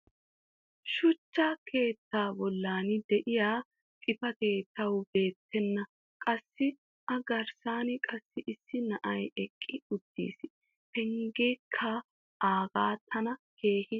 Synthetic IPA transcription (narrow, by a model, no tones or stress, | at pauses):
ʃʊt͡ʃːakʰe̞ːt̪ːaːbɔlːaːnɪd̪ɛʔɪjaː | kʼɪfɐke̞ːt̪ːɐwbe̞ːt̪ʰːɛnːɐ | kʼɐsːɪ | ʔɐɡɐɾsaːnɪkʼɐsːɪʔɪsːɪnɐʔɐjɛkʼːɪʊd̪̥ːḭːs | pɛŋɡeːkʰːa | ʔaːɡaːt̪ʰːɐnɐke̞ːhɪ